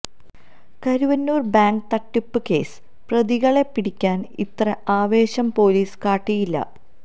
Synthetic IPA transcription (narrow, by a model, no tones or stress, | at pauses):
kɐɾuʋɐnːuːrbaːŋɖt̪ɐʈːupːɨke̞̰ːsɨ̥ | prɐðiɣɐɭe̞pːiɽikʲːaːnḭt̪rɐaːʋe̞ːɕɐmpo̞ːliːskaːʈːijilːɐ̰